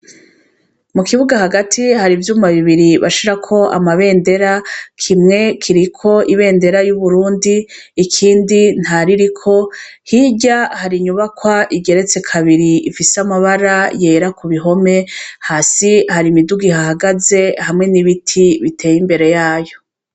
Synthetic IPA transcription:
mukiβuɡahaɡatʰihaɾivjuːmaβiβiɾiβa̰ʃiɾakʰo̞ʔa̰maβe̞ːnde̞ɾakʰimŋe̞kʰiɾikʰo̞ʔiβe̞ːnde̞ɾajuβuɾuːndiː | kʰiːndin̥haɾiɾikʰo̞hiɟahaɾiɲuβakwaʔiɡe̞ɾe̞t͡se̞kʰaβiɾiifisamaβaɾaje̞ɾakuβiɦo̞me̞haːsihaɾimiduɡihahaɡaze̞hamŋe̞niβitʰiβitʰe̞ːjimbe̞ɾe̞jaːjo̞

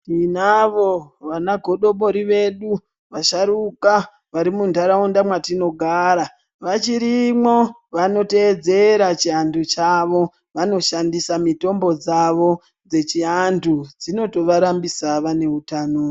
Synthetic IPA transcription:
tinaʋo̞ʋanaɡʱo̞ɗo̞ɓo̞ɾiʋe̞ɗu | ʋaʃaɾuka | ʋaɾimundʱaɾaundamwatino̞ɡʱaɾa | ʋat͡ʃiɾimwo̞ | ʋano̞te̞d͡ze̞ɾat͡ʃiandut͡ʃaʋo̞ | ʋano̞ʃandisamito̞mbo̞d͡zaʋo̞ | d͡ze̞t͡ʃiandud͡zino̞to̞ʋaɾambisaʋane̞utanoː

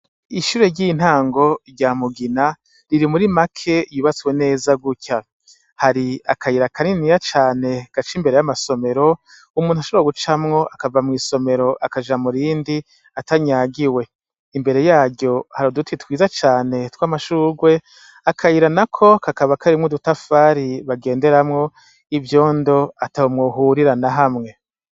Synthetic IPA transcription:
iʃuːɾe̞ɾɟiːn̥haːŋɡo̞ɾɟaːmuɡina | ɾiɾimuɾimakʰe̞juːβat͡swe̞ne̞ːzaɡucʰa | haɾia̰kʰajiɾakʰaninijat͡ʃaːne̞ɡ̥at͡ʃimbe̞ɾe̞jamaso̞me̞ɾo̞ | umuːnuaʃoβɾaɡut͡ʃamŋo̞ʔakavamŋiːso̞me̞ɾo̞ʔakad͡ʒamuɾiːndi | ataɲaːɡiwe̞ | imbe̞ɾe̞jaːɟjo̞haɾodutʰitwiːzat͡ʃaːne̞twaːmaʃuːɡwe̞ | akʰaiɾanakʰo̞kakaβakʰaɾimŋudutafaːɾiβaɡe̞ːnde̞ɾamŋo̞ | ivjo̞ːndo̞atahomŋoːɦuːɾiɾanaɦamŋe̞

